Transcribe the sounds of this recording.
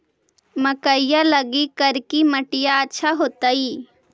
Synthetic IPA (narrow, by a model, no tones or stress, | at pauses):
mɐkəijalɐɡikəɾkiməʈɪjaətːʃʰaɦoːt̪ai